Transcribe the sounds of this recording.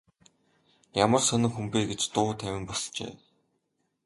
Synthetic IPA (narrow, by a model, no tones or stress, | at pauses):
jamə̆rsœnɪ̆ŋxumpeːɡet͡ɕt̪ʊːt̪ʰæwʲɪ̆mpɔst͡ɕḛː